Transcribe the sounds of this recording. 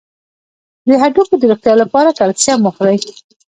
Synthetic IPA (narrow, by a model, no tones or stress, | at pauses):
d̪əɦaɖukod̪əɾoxt̪jɑlapɑɾakalsjɑmʊxd̪aj